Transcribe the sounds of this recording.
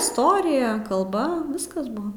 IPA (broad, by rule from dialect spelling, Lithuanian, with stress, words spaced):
ɪsˈtoːrʲɪjɛ kɐlˠˈbɐ ˈʋʲɪskɐs ˈbuɔ